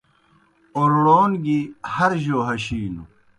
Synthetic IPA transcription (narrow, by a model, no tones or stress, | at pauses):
oɾɽoːnɡihɐɾʑoːɦɐɕiːnu